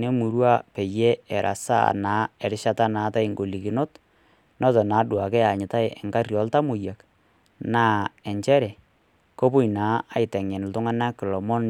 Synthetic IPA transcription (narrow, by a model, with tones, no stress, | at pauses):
ne˦mu˨ɾwa˦pe˨je˦ɛ˨ɾʔa̰˨sa̰˦˨naː˨˦ɛ˨ɾɪ˦ʃa˦ta˦naː˨˦ta˦ɪ˨ŋɡo˨li˨ki˨no˦t | nɔ˦tɔ˨naː˨˦dwa˨kɛ˦a˨ɲɪ˨ta˦ɪ˦ɛ̰˨ŋka˦rjɔ˨˦lta˦mʊ˨ja˨k | na˦ɛ˨ɲt͡ʃɛ˦ɾɛ˨ | ko˦pʊ˦inaː˨˦a˨˦ɪtɛ˨ŋɛ˨n˨ltʊ˦ŋa˦na˦kɪ˨lɔ˨mɔ˦n